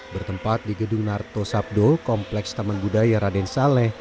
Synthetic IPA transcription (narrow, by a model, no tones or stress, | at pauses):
bərt̪əmpat̪̚diɡəduŋnart̪osap̚dokɔmplɛkst̪amanbudajaɾadɛnsalɛh